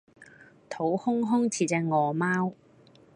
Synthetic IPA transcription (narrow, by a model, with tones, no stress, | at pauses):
t̪ʰo˨˥whʊ˥ŋɦʊ˥ŋt͡sʰiː˨˩t͡sɛː˧ŋɔː˨˩maː˥w